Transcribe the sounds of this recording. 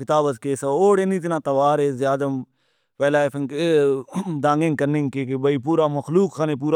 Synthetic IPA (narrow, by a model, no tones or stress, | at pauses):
kɪt̪aːbəzkeːsɐoːɽenĩːt̪̬ɪnãːt̪ɐʋaːɾeːzjaːd̪ɐm | pɛːlaːpʰəŋkː | d̪ãːŋɡẽŋkəɾnẽŋkeːkebəipuːɾaːməxluːkʰːaːnep̬uːɾa